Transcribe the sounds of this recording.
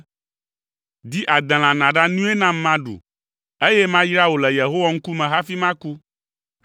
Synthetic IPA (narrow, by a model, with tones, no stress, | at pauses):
d̪i˦ʔa˨d̪ɛ̃˨l̃ã˨nã˨ɖa˦nũ˦e˦nã˦m˦mã˦ɖṵ˨ | e˦jɛ˦mã˦jɾa˦wo˨lɛ˨je˨ɦo˦wa˦ŋ̩˦ku˦mɛ̃˨ɦa˦fi˦mã˦ku˦